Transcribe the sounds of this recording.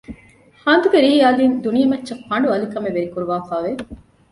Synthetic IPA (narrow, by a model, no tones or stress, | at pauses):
haːnd̪uɡeɾiːjaːliːnd̪unijɐmɐtːʃɐfɐɳ̆ɖuɐlikɐmeʋeɾikuɾuʋaːfaːʋe